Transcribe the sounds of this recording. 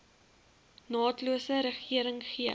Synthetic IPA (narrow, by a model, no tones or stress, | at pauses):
nɑːtluəsəɾəχiəɾəŋχiə